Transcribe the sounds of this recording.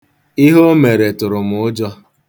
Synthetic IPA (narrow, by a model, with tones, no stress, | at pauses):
i˦ɦo˦me˨ɾe˨tʊ˨ɾʊ˨m̩ʊ˦d͡ʒɔ˦